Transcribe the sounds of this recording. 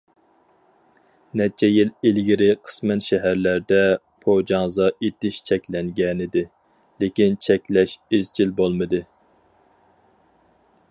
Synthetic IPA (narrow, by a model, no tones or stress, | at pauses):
nɛt͡ʃʰɛjililɡʲiɾɪqʰə̥smɛnʃɛɦæɾlæɾd̪ɛ | pʰod͡ʒɑŋzɑʔet̪ɪʃt͡ʃʰɛkʲlɛŋɡʲɛnɪd̪ɪ | lekʲint͡ʃʰɛkʲlɛʃezt͡ʃʰilbolˠmɨd̪ɨ